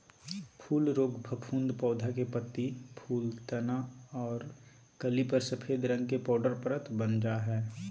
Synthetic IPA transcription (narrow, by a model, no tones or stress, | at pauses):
pʰuːlɾoːɡbʱɐpʰũːnd̪pɔːd̪ʱakepət̪ːipʰuːlt̪ɐnaɔːɾ | kɐlipɐɾsɐpʰeːd̪ʱɾɐ̃ŋɡ̚kepɔːɖəɾpɾət̪bənd͡ʒaɦɛː